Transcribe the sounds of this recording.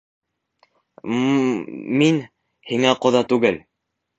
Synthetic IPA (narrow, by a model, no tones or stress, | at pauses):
min | hiŋæqŏðɑt̪ʉɡɘl